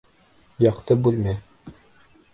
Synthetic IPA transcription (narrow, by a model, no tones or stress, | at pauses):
jɑqt̪ɤbʉlmæ